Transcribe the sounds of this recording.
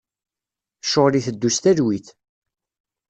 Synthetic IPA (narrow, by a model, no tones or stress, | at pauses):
ʃoʁliθəd̪ːust̪æðwiθ